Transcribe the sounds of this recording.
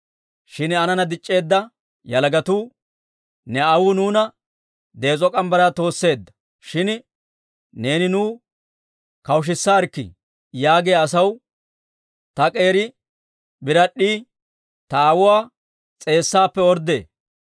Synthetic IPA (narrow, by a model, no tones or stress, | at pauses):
ʃɪnɐnɐnɐd̪ɪt͡ʃʼːe̞ːd̪ːɐ | jɐlɡɐt̪uː | nɛɐwʊnuːnɐ | d̪e̞ːt͡sʼɔkʼɐmbɐɾaːt̪o̞ːsːe̞ːd̪ːɐ̥ | ʃɪn | ne̞ːnɪnuː | kɐwʃ̬ɪsːaːɾkːɪ̰ | jaːɡejɐsɐw | t̪ɐkʼe̞ːɾɪ | bɪɾɐɗːiː | t̪ɐaːwʊwaː | t͡sʼe̞ːsːaːpːɛɔɾd̪e̞ː